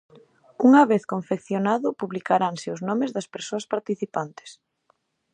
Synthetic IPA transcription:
uŋɐβeθkõɱfekθjonaðʊpuβlikaɾaŋsɪʊznɔmɪzðɐspeɾsoɐspaɾt̪iθipant̪ɪ̥s

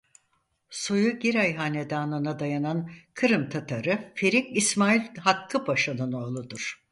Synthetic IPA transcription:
so̞juɟiɾajɦaːned̪aːnɯnad̪ajanankʰɯɾɯmt̪ʰat̪ʰaɾɯfeɾikismaːilʲɦakʰːɯbaʃɯnɯno̞ːlˠud̪uɾ̥

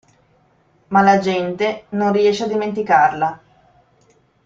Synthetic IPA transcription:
malad͡ʒɛnt̪enonriɛʃːead̪ːiment̪ikarla

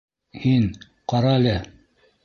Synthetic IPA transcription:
hin | qɑɾɑlɘ

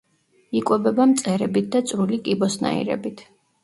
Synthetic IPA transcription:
ikʼwɛbɛbamt̪sʼɛɾɛbit̪̚ʰd̪at̪sʼɾulikʼibɔsna̰ḭɾɛ̰bit̪ʰ

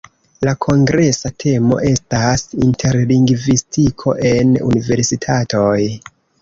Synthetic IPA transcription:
lakʰo̞ŋɡɾe̞satʰe̞mo̞̰ʔe̞stasintʰe̞ɾliŋɡvistikʰo̞̰ʔe̞nṵnive̞ɾsitʰatʰo̞j

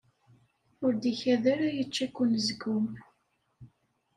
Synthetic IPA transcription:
ʊɾd̪içæðaɾajət͡ʃːækːʊnzɡʊm

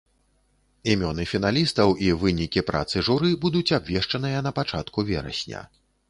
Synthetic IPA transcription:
imʲɔnɨfʲinalʲist̪ɐwʔivɨnʲikʲipɾʔa̰t̪sɨʐuɾɨbud̪ut͡sʲabvʲɛʂt͡ʂɐnɨjɐn̪ɐpat͡ʂat̪kuvʲɛ̰ɾɐ̰sʲnʲɐ̰

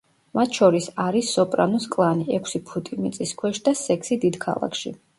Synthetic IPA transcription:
mat̪ʰʃɔɾisaɾisːɔpʼɾanuskʼlˠaniɛkʷʰsipʰut̪ʼimit̪sʼiskʰwɛʃd̪asɛkʰsid̪id̪kʰa̰lˠa̰kʰʃḭ

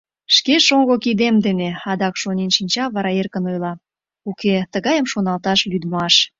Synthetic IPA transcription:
ʃkeʃoŋɡokid̪emd̪eneɑd̪ɑkʃonenʃinʲt͡ɕɑβɑɾɑerkənojlɑ | uket̪əɣɑjəmʃonɑlt̪ɑʃlyd̪mɑʃ

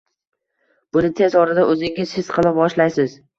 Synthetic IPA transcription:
b̥ʊnɪt̪ʰezɒɾɪd̪aʔɵzɪŋɪz̥hɪz̥qʰɨlˠɪpbɒʃlajsɪz

